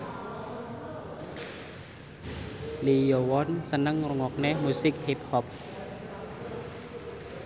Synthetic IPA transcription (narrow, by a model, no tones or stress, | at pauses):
lijɔwɔnsənəŋruŋɔk̚nemusɪk̚hip̚hɔp̚